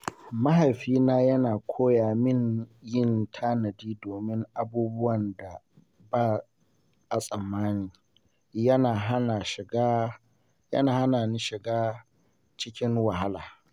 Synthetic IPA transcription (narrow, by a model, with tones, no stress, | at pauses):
mɐ˦ɦa˨jɸiː˦naː˦jɐ˦naː˨kʷʰoː˦jaː˨mɪ˦ŋjɪ˦˨ntʰaː˦nɐ˨diː˦doː˨mɪ˦ŋʔa˦buː˦bʊ˦wɐ˨nda˨ | baː˦ | ʔa˨sʼɐ˨mːaː˦niː˨ | jɐ˦naː˨ɦa˦naː˨ʃɪ˨ɡa˦ | jɐ̰˦naː˨ha˦naː˨nɪ˦ʃɪ˨ɡaː˦ | t͡ʃɪ˦kʲɪ˦ŋwa˨ɦa˦laː˨